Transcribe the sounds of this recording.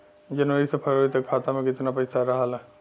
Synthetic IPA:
d͡ʒənʋəɾisepʰəɾoɾit̪əkkʰaːt̪amẽkɪt̪napəɪsaɾəɦalɛ

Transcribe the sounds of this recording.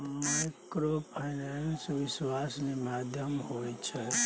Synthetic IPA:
majkɾopʰaɪnansʋɪʃwasnimad̪ʱjəmɦojt͡ʃʰe

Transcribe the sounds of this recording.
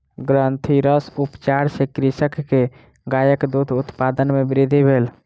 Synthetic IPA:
ɡɾənt̪ʰiɾəsupt͡ʃaɾsekɾisəkːe | ɡajəkd̪ut̪ʰut̪pad̪ənmebɾid̪ʱibʱel

